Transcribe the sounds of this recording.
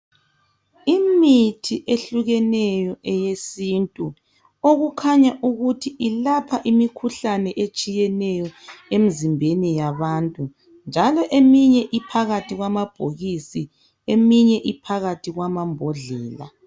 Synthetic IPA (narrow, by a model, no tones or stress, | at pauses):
imitʰiʔeɬuɣɛnɛjɔʔɛjesintʼu | oɣukʰaɲaʔuɣutʰiʔilapʰaʔimikʰuɬanɛʔet͡ʃʼijɛnɛjɔem̩zimbʱenijaβantʼu | nd͡ʒʱalɔʔemiɲɛʔipʰaɣatʰiɣwamab̥ʱoɣisi | emiɲɛʔipʰaɣatʰiɣwamambʱɔɮɛːla̰